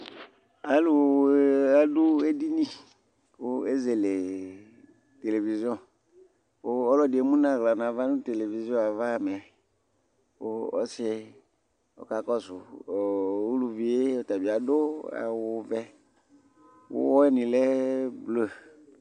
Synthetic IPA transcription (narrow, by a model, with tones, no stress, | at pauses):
a˦lʊ˨˦a˦dʊ˦e˦di˦nĩ˦˨ | wo˦e˦ze˨le˨ | t̪e˨le˨vi˨zi˦ɔ̃˦˨ | wo˦ɔ˦lɔ˦dɪ˨e˨˦mũ˦nã˦˨ɣla˨nã˨va˦nũ˦t̪e˨le˨vi˨zi˦ɔ̃˦a˨va˦˨mɛ˨ | wo˦ɔ̰˦se˦ | ɔ̰˨ka˨kɔ˦sʊ˨ | u˦lu˨vi˨e˦ɔ˨t̪a˨bi˨a˨dʊ˦a̰˨wʊ˨vɛ˦ | wʊ̰˦wɔ˦ɛ˦nĩ˨lɛ˦blo˦˨